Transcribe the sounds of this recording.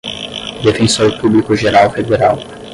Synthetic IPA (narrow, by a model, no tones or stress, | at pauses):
d̪efẽsoɾpublikʊʒeɾawfed̪eɾaw